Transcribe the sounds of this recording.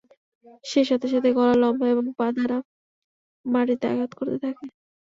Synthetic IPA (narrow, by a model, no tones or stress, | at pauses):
ʃeʃat̪ʰeʃ̬at̪ʰeɡɔlalɔmbʱaeboŋbad̪ʱaɾa | maɾit̪ea̰ɡat̪koɾt̪et̪ʰake